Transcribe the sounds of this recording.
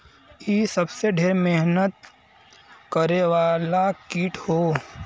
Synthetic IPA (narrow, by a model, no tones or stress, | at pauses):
iːsɐbseɖʱeːɾmeɦnət̪̚ | kəɾeʋaːlakiːʈhoː